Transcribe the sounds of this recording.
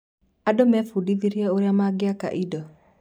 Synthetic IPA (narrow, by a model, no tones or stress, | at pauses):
adɔmɛfudiðiɾjaoɾjamaɡɪaka̰ʔidɔ